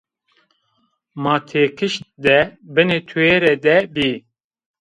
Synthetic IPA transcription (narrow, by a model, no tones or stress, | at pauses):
mɑːt̪ʰeːkʰɨʃt̪̚d̪ɛbɨnet̪ʰueːɾɛd̪ɛbiː